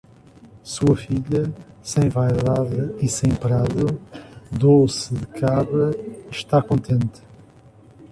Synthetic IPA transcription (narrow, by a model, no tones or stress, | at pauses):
suɐfiʎɐ | sẽj̃vajðaðɨisẽj̃pɾaðuðosɨðɨkʰaβɾɐiʃt̪akõnt̪ʰẽnt̪ɨ̥